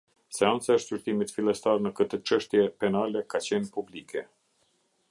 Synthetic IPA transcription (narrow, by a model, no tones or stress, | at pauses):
sɛant͡saəʃtt͡ʃyɾt̪imit̪filˠɛst̪aɾnəkət̪ət͡ʃəʃt̪jɛpɛnalɛkat͡ɕɛnpublikʰɛ